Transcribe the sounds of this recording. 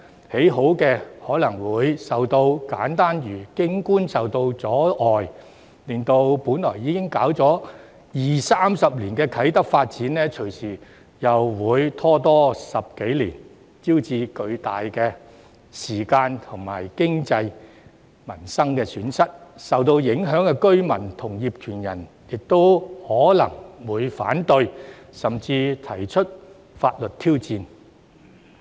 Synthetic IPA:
he˨˥jɦo˨˥wkɛː˧hɔː˨˥lɐ˨˩ŋwuː˨˧jsɐ˨wt̪o˧wkaː˨˥nt̪aː˥njyː˨˩kɪ˥ŋkuː˥nsɐ˨˩wt̪o˧wt͡sɔː˨˥ʔɔː˨j | lɪ˨nt̪o˧wpuː˨˥nlɔː˨˩jiː˨˧kɪ˥ŋkaː˨˥wt͡sɔː˨˥ | jiː˨˩saː˥msɐ˨p̚liː˨˩nkɛː˧kʰɐ˨˥jt̪ɐ˥k̚faː˧t̚t͡siː˨˥nlɛː˥t͡ʃʰɵ˨˩ɥsiː˨˩ | jɐ˨˩wwuː˨˧jt̪ʰɔː˥t̪ɔː˥sɐ˨p̚ke˨˥jliː˨˩n | t͡siː˥wt͡siː˧kɵ˧ɥt̪aː˨jkɛː˧ | siː˨˩kaː˧nt̪ʰʊ˨˩ŋma̰ː˨˩jkɪ˥ŋt͡sɐ˧j | mɐ˨˩nsɐ˥ŋkɛː˧syː˨˥nsɐ˥t̚sɐ˨wt̪̬o˧wjɪ˨˥ŋɦœː˨˥ŋkɛ˧kɵ˥ɥmɐ˨˩nt̪ʰʊ˨˩ŋjiː˨p̚kʰyː˨˩njɐ̰˨˩n | jɪ˨k̚t̪o˥whɔː˨˥lɐ̰˨˩ŋwuː˨˧jfa̰ː˨˥nt̪ɵ˧ɥ | sɐ˨˩mt͡siː˧t̪ʰɐ˨˩jt͡ʃʰɵ˥t̚ | faː˧t̚lɵ˨t̚t̪ʰiː˥wt͡siː˧n

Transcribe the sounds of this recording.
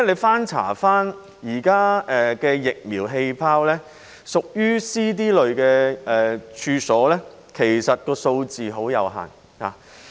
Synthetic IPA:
le˨˧jfaː˥nt͡sʰa̰ː˨˩faː˥n | jiː˨˩kaː˥ɛ˨kɛː˧jɪ˨k̚miː˨˩wɦe˧jpʰaː˥wlɛː˥ | sʊ˨k̚jyː˥siː˥t̪̬iː˥lɵ˨ɥkɛː˧ɛː˨t͡ʃʰyː˧sɔː˨˥lɛ˥ | kʰe˨˩jsɐ˨t̚kɔː˧so˧wt͡siː˨ɦo˨˥wjɐ˨˧wɦa̰ː˨˩n | ha̰ː˨

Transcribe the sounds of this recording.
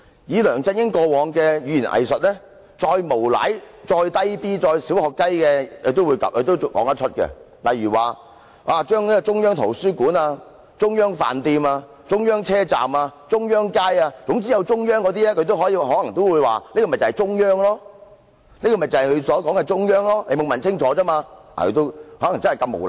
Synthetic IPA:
jiː˨˧lœː˨˩ŋt͡sɐ˥njɪ˥ŋkɔː˧wɔː˨˧ŋkɛː˧jyː˨˧jiː˨˩nʔɐ̰˨˩jsɵ˨t̚lɛ˥ | t͡ʃɔː˧jmo˨˩wla̰˨˥j | t͡ʃɔː˧jt̪ɐ˥jpiː˥t͡sɔː˧jsi˨˥whɔː˨kːɐ˥jkɛː˧˨˧t̪o˥wuː˨˧jkɐ˨kʰːt̪o˥wkɔː˨˥ŋɐ˥t͡ʃʰɵ˥t̚kɛ̰˧ | lɐ˨jɥyː˨˩waː˨ | ʔaː˨t͡ʃœː˥ŋniː˦˥ɡɔ˨˧t͡sʊ˥ŋjœː˥ŋt̪ʰo̰˨˩wsyː˥kuː˨˥naː˧ | t͡sʊ˥ŋjœː˥ŋfa̰ː˨˩nt̪iː˧maː˧ | t͡sʊ˥ŋjœː˥ŋt͡sʰɛː˥t͡sa̰ː˨maː˧t͡ʃʊ˥ŋjœː˥ŋkaː˥jaː˧t͡sʊ˨˥ŋt͡siː˥jɐ˨˧wt͡ʃʊ˥ŋjœː˥ŋkɔ˨˧t̪̬iː˥lɛː˥kʰɵ˧t̪o˥wɦɔː˨˥jiː˧wɦɔː˨˥lɐ˨˩ŋt̪o˥wuː˨˧jwaː˨˩niː˥kɔ˧m˨˩t͡sɐ˨˩˨jt͡ʃʊ˥ŋjœː˥ŋlɔː˥ | niː˥kɔ˧mɐ˨˩jt͡sɐ˨˩hɐ˨jkʰɵ˨˧sɔː˨˥kɔː˨˥ŋkɛ˧t͡ʃʊ˥ŋjœː˥ŋlɔː˥ne˨˧mo˨˧wmɐ˨nt͡sʰɪ˥ŋt͡ʃʰɔː˨˧˥t͡sɐ˥maː˧a̰˨kʰɵ˨˧t̪o˥whɔː˨˥lɐ˨˩ŋt͡sɐ˥nhkɐ˧mo̰˨˩wl

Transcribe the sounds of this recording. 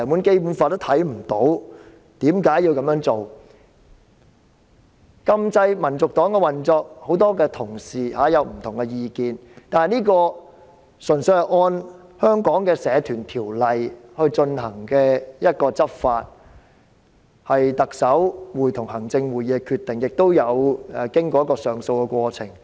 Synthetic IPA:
muː˨˥nke˥jpuː˨˥nfaː˧t̪t̪ʰɐ˨˥jm̩˨˩t̪o˨˥w | t̪iː˨˥mkaː˨˥jiː˧wkɐ˨˥mjœː˧˥ŋt͡so˨w | kɐ˧mt͡sɐ˧jmɐ˨˩nt͡sʊ˨k̚t̪ɔː˨˥ŋkɛ˧wɐ˨˩nt͡sɔː˧k̚ho˨˥wt̪ɔː˥kɛː˧t̪ʰʊ˨˩ŋsiː˨haː˨˥jɐ˨˧wm̩˨˩t̪ʰʊ˨˩ŋkɛ˧jiː˨˧kiː˨nt̪aː˨nhɐ˨jniː˥kɔː˧ | sɵ˨˩nsɵ˧jhɐ˨˩jʔɔː˧nhœː˥ŋkɔː˨˥ŋkɛː˧sɛː˨˧t̪ʰyː˨˩nt̪ʰiː˨˩wlɐ˨jhɵ˧ɥt͡ʃɵ˧nɦɐ˨˩ŋkɛː˧jɐ˥t̚kɔː˧t͡sɐ˥p̚faː˧t̚ | hɐ˨jt̪ɐ˨k̚sɐ˨˥wwuː˨˩jt̪ʰʊ˨˩ŋhɐ˨˩ŋt͡sɪ˧ŋwuː˨˩jiː˨˧ɛ˧kʰyː˧t̪ɪ˨ŋjɪ˨k̚t̪o˥wjɐ˨˧wɛ˨˩kɪ˥ŋkɔ˧˦jɐ˥kɔː˧sœː˨ŋso˧wkɛ˧kʷɔː˧t͡sʰɪ˨˩ŋ

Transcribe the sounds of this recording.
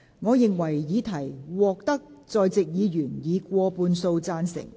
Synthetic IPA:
ŋɔː˨˧jɪ˨ŋwɐ˨˩jjiː˨˧t̪ʰɐ˨˩jwɔː˨k̚t̪ɐ˥k̚t͡sɔː˨˧jt͡sɪ˨k̚jiː˨˧jyː˨˩njiː˨˧kʷɔː˧puː˧nso˧wt͡saː˧nsɪ̰˨˩ŋ

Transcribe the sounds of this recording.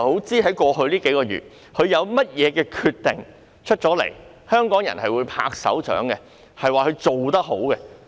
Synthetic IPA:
ho˨˥wt͡siː˥ɦɐ˨˥jkʷɔː˧ɦɵ˧ɥliː˥ke˨˥jkɔː˧ɥy̰ː˨˩t̚ | hɵ˨˧ɥjɐ˨˧wmɐ˥t̚jɛː˨˧kɛː˧kʰyː˧t̪ːɪ˨ŋ | t͡ʃʰɵ˥t̚t͡ʃɔː˨˥lḛ˨˩j | hœː˥ŋkɔː˨˥ŋjɐ̰˨˩nhɐ˨jwuː˨˧jpʰa̰ː˧k̚sɐ̰˨˥wt͡ʃœ̰ː˨˥ŋkɛ˧ | hɐ˨jwaː˨˩kɵ˨˧ɥt͡so˨wt̪ɐ˥k̚ho̰˨˥wkɛ˧

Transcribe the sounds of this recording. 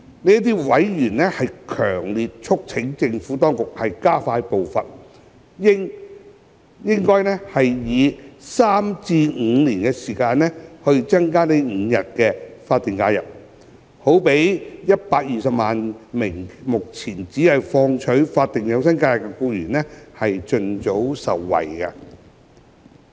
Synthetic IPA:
niː˥t̪̬iː˥wɐ˨˥jjyː˨˩nɛ˥hɐ˨jkʰœː˨˩ŋliː˨t̚t͡ʃʰʊ˥k̚t͡sʰɪ˨˥ŋt͡sɪ˧ŋfuː˨˥t̪ɔː˥ŋkʊ˨k̚hɐ˨jkaː˥faː˧jpo˨wfɐ˨n | jɪ˥ŋ | jɪ˥ŋkɔː˥jnɛː˥hɐ˨jjiː˨˧saː˥mt͡siː˧ŋ̩˨˧liː˨˩nkɛː˧siː˨˩kaː˧nnɛː˥hɵ˧ɥt͡sɐ˥ŋkaː˥ne˨˥jŋ̩˨˧jɐ˨t̚kɛː˧faː˧t̪ːi˨˩ŋkaː˧jɐ̰˨p̚ | ho˨˥wpe˨˥jjɐ˥t̚paː˧k̚jiː˨sɐ˨p̚maː˨nmɪ˨˩ŋmʊ˨k̚t͡sʰiː˨˩nt͡siː˨˥ɐ˨jfɔː˧ŋt͡ʃʰɵ˨˥ɥfaː˧t̪̚ːɪ˨˩ŋjɐ˨˧wsɐ˥nkaː˧jɐ˨˩k̚ːɛ˧kuː˧jyː˨˩nɛː˥hɐ˨jt͡ʃɵ˧nt͡so˨˥wsɐ˨wːɐ̰˨˩jkɐ˧

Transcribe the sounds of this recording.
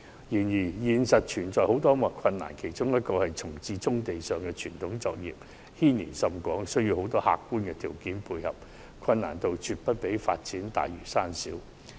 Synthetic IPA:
jiː˨˩njiː˨˩jiː˨nsɐ˨t̚t͡ʃʰyː˨˩nt͡sɔː˨jho˨˥wt̪ɔː˥mɐ˨˩kʷʰɐ˧nːa̰ː˨˩nkʰe˨˩jt͡sʊ˥ŋjɐ˥t̚kɔː˧hɐ˨jt͡sʰʊ˨˩ŋt͡siː˧t͡sʊ˥ŋt̪e˨jsœː˨˩ŋkɛː˧t͡ʃʰyː˨˩nt̪ʰʊ˨˥ŋt͡sɔː˧k̚jḭː˨p̚ | hiː˥nḭː˨˩sɐ˧mkʷɔː˨˥ŋsɵ˥ɥji˧who˨˥wt̪ɔː˥ha̰ː˨kːuː˥nkɛː˧t̪ʰiː˨˩wkiː˨˥npʰuː˧jhɐ˨p̚ | kʷʰɐ˧nːa̰ː˨˩nt̪o˨wt͡ʃyː˨˧t̚pɐ˥t̚pe˨˥jfa̰ː˧t̚t͡siː˨˥nt̪a̰ː˨jjy˨˩saː˥nsiː˨˥w

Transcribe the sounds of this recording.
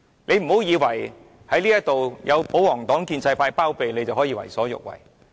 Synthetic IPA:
nʔe˨˧jm̩˨˩ho˨˥wjiː˨˧wɐ˨˩j | hɐ˨˥jliː˥jɐ˥t̚t̪o˨wjʔɐ˨˧wpo˨˥wɔː˨˩ŋt̪ɔː˨˥ŋkiː˧nsɐ˧jpaː˧jpaː˥wpe˨jle˨˧jt͡sɐ˨wɦɔː˨˥jiː˧wɐ̰˨˩jsɔː˨˥jʊ̰˨k̚wɐ̰˨˩j

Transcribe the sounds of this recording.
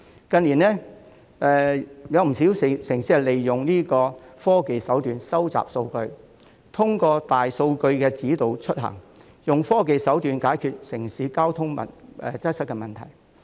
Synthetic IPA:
kɐ˧nliː˨˩nlɛː˥ | ɛː˨˧jɐ˨˧wm̩˨˩si˨˥wssɪ˨˩ŋsiː˧˥hɛ˨˩le˨jːʊ˨˩ŋniː˥kɔː˧fɔː˥ke˨jsɐ˨˥wt̪yː˨˧nsɐ˥wt͡sa̰ː˨p̚so˧wkɵ˧ɥ | t̪ʰʊ˥ŋkɔː˧t̪aː˨jso˧wkɵ˧ɥkɛː˧t͡siː˨˥t̪o˨wt͡ʃʰɵ˥t̚ɦɐ̰ː˨˩ŋ | jʊ˨˩ŋfɔː˥ke˨jsɐ˨˥wt̪yː˨nkaː˨˥jkʰyː˧t̚sɪ˨˩ŋsiː˨˥kaː˥wt̪ʰʊ˥ŋmɐ̰˨nɛ˧t͡sɐ˥sɐ˥t̚kːɛ˧mɐ˨˩nt̪ʰɐ˨˩j

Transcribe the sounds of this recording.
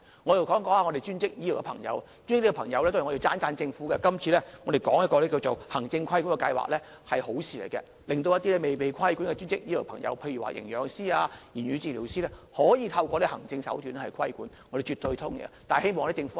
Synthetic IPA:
ŋɔː˨˧jwkɔː˨˥ŋkɔː˨˥ŋaː˨˧ŋɔ˨˧d̪e˨˩t͡ʃyː˥nt͡sɪ˥k̚jiː˥lwkɛ˧pʰɐ̰˨˩ŋjɐ̰˨˥wt͡ʃy˥n˥ɪ˥t̪i˥k̚ːɛ˧pʰɐ˨˩ŋjɐ˨˧wlɛ˥to˥˨˩ŋɔ˨˧i˧wt͡saː˥nt͡saː˧nt͡sɪ˧ŋfuː˨˥kɛ˧kɐ˥mt͡ʃʰyː˧lɛ˥ŋɔː˨˧de˨jkɔː˨˥ŋjɐ˥kɔː˧lɛː˦˥k̬i˧wt͡so˨˩whɐ˨˩ŋt͡sɪ˧ŋkʰɐ˥jku˨˥nkɛ˧kɐ̰˧jwa̰ː˨k̚lɛː˥ | hɐ˨jho˨˥wsʰiː˨˧le˨˩jkɛ̰˧ | lɪ˨˩ŋt̪̬o˧wjɐ˥t̪iː˥lɛ˥me˨jpe˨jkʰɐ˥jkuː˨˥nkɛ˧t͡ʃyː˥nt͡sɪ˥k̚jiː˥lɪ˨˩wpʰɐ̰˨˩ŋjɐ̰˨˧wpʰe˧jɥy˨˩wa̰ː˨˧jʔɪ̰˨˩ŋjœː˨˧ŋsiː˥aː˧jiː˨˩nɥyː˨˧t͡siː˨li˨˩wsiː˥lɛ˥hɔː˨˥jiː˨˧t̪ʰɐ˧wkʷɔː˧lɛː˥hɐ˨˩ŋt͡sɪ˧ŋsɐ̰˨˥wt̪y˨˧˦n˥hɐ˨jkʰɐ˥jkuː˨˥nŋɔ˧de˨jt͡ʃyː˨t̪ɵ˧t̪ʰʊ˥ŋɡ̰ɛ̰˧t̪aː˨he˥jmɔː˨ŋlɛ˥t͡sɪ˧ŋfu˨˦

